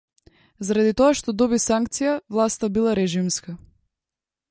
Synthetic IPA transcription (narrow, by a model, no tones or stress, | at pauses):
zaɾad̪it̪ɔaʃt̪ɔd̪ɔbisaŋkt̪sijavlˠast̪abilˠaɾɛʒimska